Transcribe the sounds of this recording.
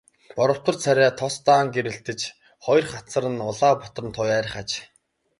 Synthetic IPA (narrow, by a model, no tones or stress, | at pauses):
pɔɾɞ̆w̥t̪ə̆rt͡sʰæɾʲæːt̪ʰɔst̪aːŋɡeɾɘ̆ɬt̪ɘ̆t͡ɕ | χɔj̆rχat͡sə̆ɾə̆nʊɮaːpʊt̪̆rə̆nt̪ʰʊjæːɾ̆ʲχat͡ɕ